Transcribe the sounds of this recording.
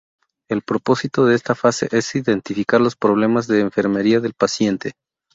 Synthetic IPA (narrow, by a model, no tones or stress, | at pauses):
e̞lpɾopo̞sit̪o̞ðe̞e̞st̪afase̞̰ʔesiðe̞nt̪ifikaɾlo̞spɾo̞β̞le̞mazðe̞ːɱfe̞ɾme̞ɾiaðe̞lpasje̞nt̪e̞